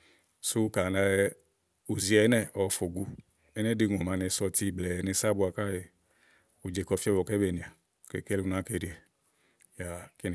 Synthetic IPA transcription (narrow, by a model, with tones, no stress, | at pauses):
su˦ka˨na˧ | u˨zi˧ɛ˧˨˦nɛ˦ɔ˨˧fo˨ɡu˧ | ɛ˦nɛ˦di˧ŋ˨o˨ma˧ne˧sɔ˧ti˧˨ɡ͡blɛ˨ne˧sa˦bu˧a˧ka˦˨je˧ | u˨d͡ʒe˧˨kɔ˧fi˦ɛ˦bɔ˨kɛ˦be˨ni˨a˨ | kḛ˨ke˦lu˧na˧˦ke˧˨ɾi˧˦ɛ˨ | ja˨ke˦n˨